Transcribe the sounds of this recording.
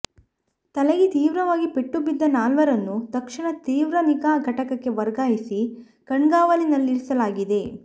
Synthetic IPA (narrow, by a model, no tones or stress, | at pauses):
t̪ɐleɡit̪iːʋɾɐʋaːɡipeʈːubid̪ːɐnaːlʋɐɾɐnːut̪ɐkʂiɳɐt̪iːʋɾɐnikaːɡʱɐʈɐkɐkːeʋɐɾɡaːjisi | kɐɳɡaːʋɐlinɐlːiɾisɐlaːɡid̪e̞